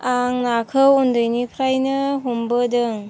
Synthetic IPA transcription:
aŋnakʰɯwundɯjnipʰɾajnɯɦumbədɯŋ

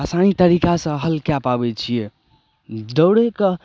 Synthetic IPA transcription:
asanit̪əɾikasə̃ɦəlkjapabɛt͡ʃʰije | d̪əwɽekə

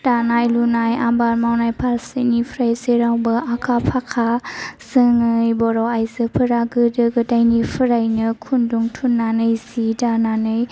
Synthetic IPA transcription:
d̥anajlunajabaɾmawnajpʰaɾsinipʰɾajseɾawbɯakʰapʰakʰaz̥ɯŋɯjbɔɾɔajzɯpʰɯɾaɡɯdɯɡɯdajnipʰɯɾajnɯkʰunduŋtʰunːanɯjsidananɯj

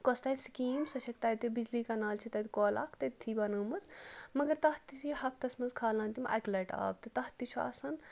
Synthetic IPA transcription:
kost̪ɐːt̪ʲskiːmsɐʃʰɐkt̪ɐːt̪ibid͡ʒliːkanaːlt͡ʃʰit̪ɐt̪koːla̰ːkʰt̪ɐt̪t̪ʰibɐnəːmɐzmɐɡɐɾt̪ɐht̪itʰihɐp̚ʰt̪ɐsmɐnzkʰaːlãːnt̪imʔɐ̰klɐʈa̰ːb̚t̪ɨt̪ɐht̪it͡ʃʰuɐ̰sɐn

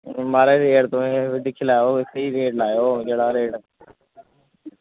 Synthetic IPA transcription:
maːɾeɾeːɽt̪oːd̪ɪkʰɪlaːjoːɪsiɾeːʈlaːjoːd͡ʒeːɽaːɾeːɽ

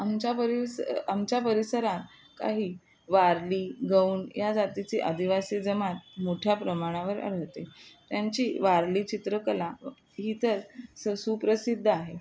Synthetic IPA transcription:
amt͡ɕapəɾisamt͡ɕapəɾisəɾãt̪ | ka̰ɦiː | ʋaɾliːɡəuːnjad͡zat̪it͡seʔəd̪ʱiʋasid͡zəmat̪̚moʈʰjapɾəmaɽ̃aʋəɾə̰ɭ̤ət̪et̪jaɲt͡ɕiːʋaɾliːt͡ɕit̪ɾəkəla | ɦiːt̪əɾsəsupɾəsid̪ʱːaɦe

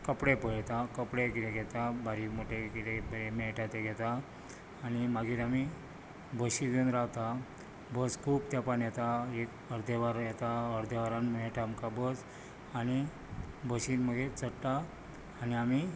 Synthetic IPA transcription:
kəpɽepəɭt̪akəpɽekiɾeɡʱɛt̪abʱaɾimoʈʰekiɾebəɾemɛʈat̪eɡʱɛt̪aː | nimaɡiːɾami | bəɕiɡenɾaɦt̪a | bəskʰuːp̚t̪japanjat̪aek | əɾd̪eʋaɾjɛt̪aəɾd̪eʋaɾanməeʈʰamkabəd͡z | añi | bʱəɕiːnməɡ̪ʱet͡səɽt̪aː | niami

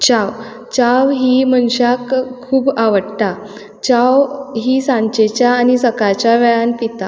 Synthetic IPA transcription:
t͡ɕaʋ | t͡ɕaʋɦiːmənɕakʰː | uːbaʋəɽt̪a | t͡ɕawɦiːsãɲt͡ɕet͡ɕjaːñisəkat͡ɕjaʋɛɭanpit̪a

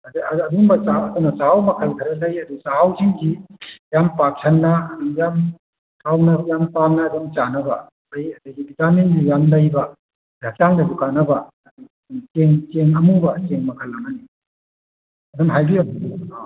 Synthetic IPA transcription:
ɐdɐɐduŋbɐt͡ʃawɐdunːɐt͡ʃawmɐkʰɐlkʰɐɾɐlɐjɐdut͡ʃaawziŋɡijampak̚sʰɐnːɐɐdujam | tʰawnɐjampamnɐːdumt͡ʃanɐbɐ̰ | dɐjɐdɐjɡibitamenɡijamlɐjbɐ | dat͡ʃaŋdɐdukanɐbɐ | ɐdu | dnɐt͡ʃeŋt͡ʃeŋɐmubɐt͡ʃeŋmɐkʰɐlːɐmɐni | ɐdumɦajɡijam

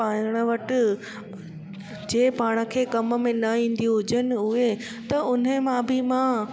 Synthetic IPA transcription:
aːəɽ̃ə̆ʋɐʈɪ̆ | d͡ʑeːpaːɽ̃ə̆kʰeːkɐmə̆mẽnɐĩːn̆d̪ĩɦʊd͡ʑənɪ̆ʊe | t̪ɐʔʊn̤əmãbɪmã

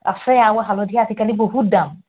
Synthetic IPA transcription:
a̰sɛjawaɦalɔdiat̪ikalibohudam

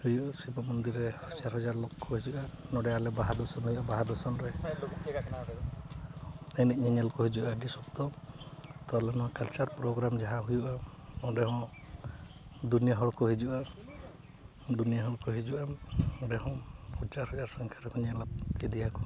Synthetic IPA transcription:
hujuʔasibɔmɔnd̪iɾɛ | t͡ʃaɾɦɔd͡ʒaɾlokːɔɦid͡ʒuʔanɔɖɛalɛbaɦad̪ɔsɔnɦujuʔabaɦad̪ɔsɔnɾɛaa | enit̚ɲɛɲɛlkɔɦed͡ʒuʔaɖisɔbt̪ɔ | t̪ɔlɛnɔkalt͡ʃaɾpɾɔɡɾamd͡ʒaɦãɦujuʔaɔ̃ɖɛɦɔ̃ | d̪unijaɦɔɽkɔɦid͡ʒuʔa | d̪unijaɦɔɭkɔɦed͡ʒuʔaɔ̃ɖɛhɔ̃ut͡ʃaɾɦɔd͡ʒaɾsɔŋkʰaɾɛkɔɲɛlat̪id̪ijakɔ̥

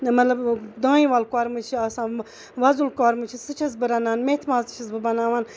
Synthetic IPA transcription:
mɐt̪lɐbd̪ãːĩʋaːlkaːɾmɨt͡ʃʰiɐsãː | ʋɐzulkaːɾmɨt͡ʃʰisɨt͡ʃʰɐs̬bɨɾɐnaːnmet̪ʰʋaːlsɨ̥t͡ʃʰɐsbɨbɐnaːʋaːn

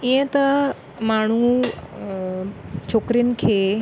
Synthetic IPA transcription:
iẽt̪ə | maɽ̤̃ũː | t͡ɕʰokɾiːnkʰe

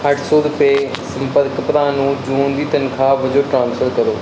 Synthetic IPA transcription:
hɐʈsoːd̪pe | sɐ̃mpəɾkpɾaːnũd͡ʑuːnd̪iːt̪ɐnkʰãːʋɐd͡ʑoʈɾãːnsfəɾkɐɾoː

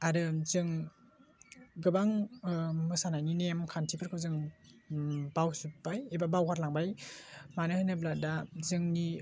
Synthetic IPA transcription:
aɾɯzɯŋ | ɡɯbaŋ | mɯsanajninemkʰantʰipʰɯɾkʰɯwzɯŋ | bawsubajebabawhaɾlaŋbajmanɯhɯnɯblat̚dazɯŋni

